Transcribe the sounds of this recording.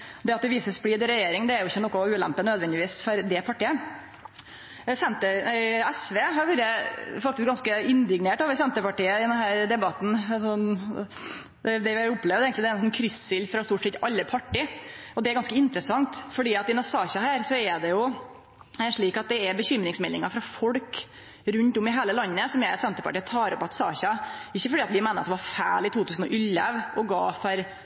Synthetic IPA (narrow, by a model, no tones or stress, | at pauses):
d̪ɛɑt̪̚d̪ɛʋiːsəsbliːd̪ɾɛjeːɾɪŋd̪ɛæɾjʊɪçːənɔkːʊʉːlæ̰mpːənød̪ʋɛnd̪ɪʋiːsfɔɾd̪ɛpʰɑʈiːə | sɛnt̪əɛsʋeːɦɑɾʋʉɾəfɑk̚t̪ɪskɡɑnskəɪnd̪ɪɡneːʈoːʋəɾsɛnt̪əpɑʈiːəɪd̪ɛnɦæːɾd̪ɛbɑt̪ːn̩ɑsɔ | d̪ɛd̪ɛʋɪʊpːlɛːʋəeːɡənɪd̪ɛæɾnsɔnkʰɾʏssɪlfɾɑst̪uːʈsɛt̪ːɑlːəpʰɑʈːɪɔd̪ɛæɾɡɑnskəɪnt̪ɾəsɑŋt̪fɔɖiːɑt̪ɪnɑsɑːçɑɦæːɾsɔɛɖ̪ɛjʊ | ɛʂɭiːkɑt̪̚d̪ɛːɾbəçʏmːɾɪŋsmɛlːɪŋɑfɾɑfɔɽk | ɾʉnt̪ɔmɪɦæːləlɑnːəsɔmjæɪsɛnt̪əpʰɑ̰ʈiːət̪ʰɑːɾɔpɑt̪sɑ̰ːçɑɪçːəfɔɖiːɑt̪ʋɪmeːnəɾɑt̪d̪ɛʋɑɾfæ̰ːɭɪt̪ʰuːt̪ʰʉːsən̩ɔ̰ʔʏlːəʋɔɡɑːfɑɾ